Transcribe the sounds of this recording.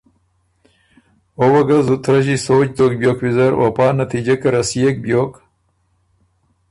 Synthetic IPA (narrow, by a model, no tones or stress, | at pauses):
owɐɡɐzut̪ɾɐʑisoːt͡ʃd̪oːk̚bjoːkwizɐɾo̰paːnɐt̪ʰiːd͡ʑɐkɐɾɐsjek̚bjoːk